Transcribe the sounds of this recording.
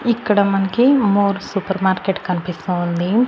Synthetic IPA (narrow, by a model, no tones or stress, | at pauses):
ikːɐɽɐmɐnɐkimoːɾsupɐɾmaːɾkeʈkɐnpisoːnd̪i